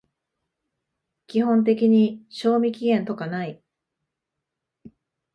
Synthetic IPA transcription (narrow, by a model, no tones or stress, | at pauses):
kʲiɦõ̞nt̪̬e̞kʲiɲ̟iɕo̞ːmʲikʲiɡẽ̞nt̪o̞kanai